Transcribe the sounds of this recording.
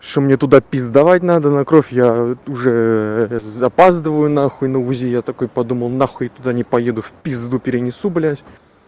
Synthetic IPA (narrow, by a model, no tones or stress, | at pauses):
ʂt̪omnʲet̪ʊd̪apʲizd̪ɐvatʲnad̪ənɐkɾofʲjaʊʐɛ | zɐpazd̪əɨvəjʊnaxʊɪnəʊzʲijat̪ɐko̞jpɐd̪uməlˠnaxʊit̪ʊd̪anʲɪpɐje̞d̪ʊfʲpʲizd̪upʲɪɾʲɪnʲɪsublʲasʲ